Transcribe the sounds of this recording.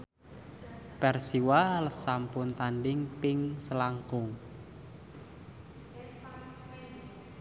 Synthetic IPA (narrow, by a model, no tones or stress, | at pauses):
pɛrsiwaləsampʊnt̪anɖɪŋpɪŋsəlaŋkʊŋ